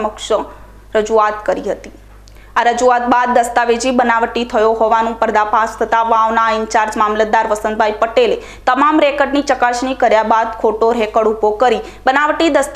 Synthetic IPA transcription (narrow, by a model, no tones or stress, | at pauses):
məkʃə | ɾəd͡ʒuat̪kəɾiɦət̪i̥ | aɾəd͡ʒuat̪̚bad̪̚ːəst̪aʋed͡ʒibənaʋʈit̪ʰəjoɦoʋanũpəɾd̪apast̪ʰət̪aʋanaɪnt͡ʃaɾd͡ʒmamləd̪ːaɾʋəsənbʱajpəʈele | t̪əmamɾɛkəɖnit͡ʃəkaʃnikəɾjabad̪kʰoʈoɾɛkəɽubʱokəɾi | bənaʋʈid̪əst̪